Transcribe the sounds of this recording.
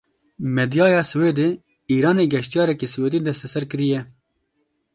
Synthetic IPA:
mɛd̪jɑːjɑːsɨweːd̪e | iːɾɑːneːɡɛʃt̪ijɑːɾɛkisɨweːd̪eːd̪ɛst̪ɛsɛɾkɨɾijɛ

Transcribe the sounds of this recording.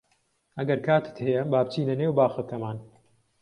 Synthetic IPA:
ʔɐɡɐɾkʰaːt̪ɨ̥t̪hɛjɛbaːbt͡ʃiːnɐneːwbaːxɨk̪ʰɐmaːn

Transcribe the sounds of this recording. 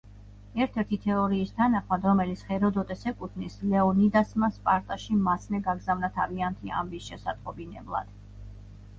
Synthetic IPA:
ɛɾt̪ʰɛɾt̪ʰit̪ʰɛɔɾiːst̪ʰanaχmad̪ɾɔmɛlit̪sʰχɛɾɔd̪ɔt̪ʼɛsɛkʼut̪ʰnislɛɔnid̪asmaspʼaɾt̪ʼaʃimasʰnɛɡaɡzavnat̪ʰaviant̪ʰia̰mbisʃɛsat̪ʼqʼɔbinɛ̰blˠa̰d̪̥

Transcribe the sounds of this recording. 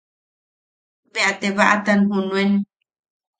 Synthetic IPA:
beat̪eβaʔat̪anɦunwen

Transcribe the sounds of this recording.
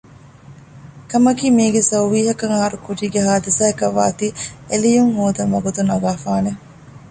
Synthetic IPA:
kɐmɐkiːmiːɡesɐwʋiːɦɐkɐŋɐɦɐɾukuʈiːɡeɦaːd̪isaːekɐʋːa̰ːt̪ielijuŋhoːd̪ɐŋʋɐɡut̪unɐɡaːfaːne

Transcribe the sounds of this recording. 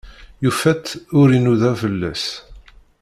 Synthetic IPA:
jufæt̪ːʊɾinuðæfəlːæ̰s

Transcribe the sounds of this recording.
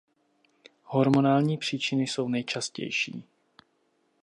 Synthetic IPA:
ho̞ɾmo̞naːlɲiːpr̝̥iːt͡ʃɪnɪso̞wnɛjt͡ʃascɛ̰jʃḭː

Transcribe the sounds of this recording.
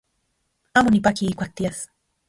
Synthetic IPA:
amonipakiːkʷak̚t̪iaθ

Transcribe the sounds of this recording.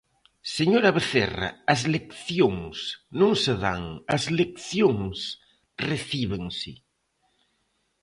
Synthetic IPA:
seɲoɾɐβeθḛra̰ɐzlekθjoŋsnõŋseða̰ŋɐzlek̚θjoŋs | reθiβeŋsɪ

